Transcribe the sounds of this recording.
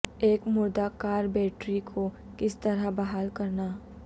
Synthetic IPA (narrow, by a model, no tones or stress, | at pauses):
eːkmʊɾd̪akaːɾbeːʈɾikʰo | kɪst̪ɐɾabɐɦaːlkɐɾnaː